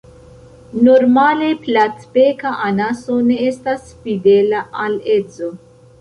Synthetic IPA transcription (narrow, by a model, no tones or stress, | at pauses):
noɾmaleplatbekaʔanasoneestasfidelaʔalet͡so